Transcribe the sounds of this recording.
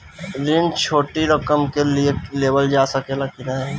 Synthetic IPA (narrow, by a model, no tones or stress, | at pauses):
ɾɪnt͡ʃʰoːʈiɾɐkəmkelieleːʋəld͡ʒaːsɐkelakɪnaɛ